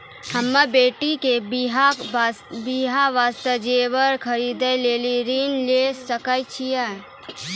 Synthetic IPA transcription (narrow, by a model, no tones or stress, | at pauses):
həmːəbeːʈikebɦ | biɦaʋaːst̪əd͡ʒeːʋəɾkʰəɾiːd̪əleːliɾinlesəkət͡ʃʰiɛ